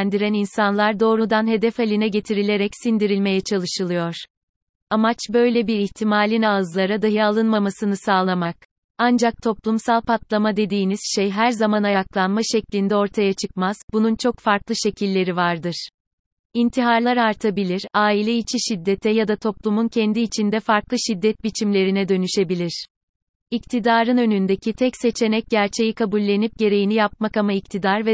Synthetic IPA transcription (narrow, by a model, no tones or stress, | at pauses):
nd̪iɾæninsanlˠaɾd̪o̞ːɾud̪anɦe̞d̪ɛfalʲinɛɟe̞t̪ʰiɾilʲe̞ɾɛcsind̪iɾilʲme̞jɛt͡ʃʰalˠɯʃɯlˠɯjo̞ɾ̥ | amat͡ʃbø̞jlʲɛbiɾiçt̪ʰimaːlʲinaːɯzlˠaɾad̪aɦɯalˠɯnmamasɯnɯsaːlˠamak̚ | and͡ʒak̚t̪ʰo̞plˠumsalˠpʰat̪lˠamad̪e̞d̪iːniz̥ʃejɦæɾzamanajaklˠanmaʃɛclʲind̪ɛo̞ɾt̪ʰajat͡ʃʰɯk̚maz̥bununt͡ʃʰo̞kfaɾklˠɯʃecʰilʲːe̞ɾivaɾd̪ɯɾ̥ | int̪ʰiɦaɾlˠaɾaɾt̪ʰabilʲiɾaːilʲɛit͡ʃʰiʃid̪ːet̪ʰɛjad̪at̪ʰo̞plˠumuncʰɛnd̪iːt͡ʃʰind̪ɛfaɾklˠɯʃid̪ːɛt̪̚bit͡ʃʰimlʲe̞ɾinɛd̪ø̞nyʃe̞bilʲiɾ̥ | ict̪ʰid̪aːɾɯnø̞nynd̪ecʰit̪ʰɛcse̞t͡ʃʰe̞nɛc̚ɟæɾt͡ʃʰe̞jikʰabulʲːe̞nip̚ɟe̞ɾe̞jinijap̚makamaict̪ʰid̪aɾvɛ